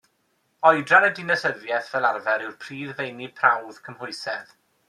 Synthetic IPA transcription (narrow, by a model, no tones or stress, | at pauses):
ɔɨdranədɪnəsəðjɛθvɛlˠarvɛɾɪwrpʰriːðvejnipʰrawð̥kʰəmhʊɨsɛð